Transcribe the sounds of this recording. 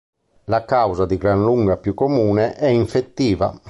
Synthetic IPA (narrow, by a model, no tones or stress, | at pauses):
lakawzad̪iɡɾanluŋɡapjukːomuːnɛʔɛiɱfet̪ːiːva̰